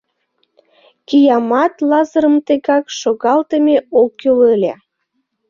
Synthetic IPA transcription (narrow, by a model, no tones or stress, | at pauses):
kijɑmɑt̪lɑzəɾəmt̪eɣɑkʃoɣɑlt̪əmeokːølelʲæ̰